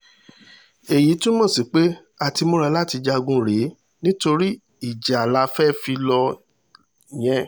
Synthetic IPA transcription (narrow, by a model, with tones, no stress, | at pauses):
e˨ji˨˦tũ˦mɔ̃˦˨si˨k͡pe˦ | a˦˨ti˧mo˦ɾa˧la˦ti˧d͡ʒa˧ɡũ˧˦ɾe˨˦ | nĩ˦to˧ɾi˦ | i˦˨d͡ʒa˨la˨˧fɛ˦fi˧lɔ˧˨ | j̃ɛ̃˦